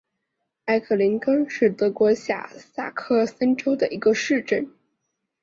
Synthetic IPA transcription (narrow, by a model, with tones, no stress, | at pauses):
a˧˥ɪkʰɤ˥˩li˧˥nkə˥nʂɻ̩˥˩t̪ɤ˧˥kwɔ˧˥ɕja̰˥˩sa̰˥˩kʰɤ˥˩sə˥nʈ͡ʂo˥ʊd̪ə˨˩ʔi˧˥ɡə˧ʂɻ̩˥˧ʈ͡ʂə˥˩n